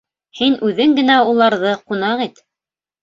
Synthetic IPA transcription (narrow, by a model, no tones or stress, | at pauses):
hinʔʉðɘŋɡɘ̆næulˠɑɾðɤqunɑʁit̪